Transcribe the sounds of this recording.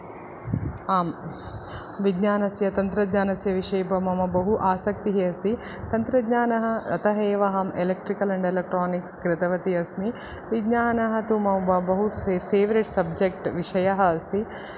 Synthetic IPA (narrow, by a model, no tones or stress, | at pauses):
aːm | ʋidɲaːnɐsjɐt̪ɐnt̪ɾɐd̪ɲaːnɐsjɐʋiʂɐjbɐmɐmɐbɐɦuʔaːsɐk̚t̪iɦiɐst̪i | t̪ɐnt̪ɾɐd̪ɲaːnɐɦɐɐt̪ɐɦeːʋɐɦɐmelek̚ʈɾikɐlɐɳɖelek̚ʈɾoːnikskɾɪt̪ɐʋɐt̪iɐsmi | ʋiɡɲaːnɐɦɐt̪umɐmbɐbɐɦuepʰeːʋɐɾiʈsɐbd͡ʒek̚ʈʋiʂɐjɐɦɐɐst̪i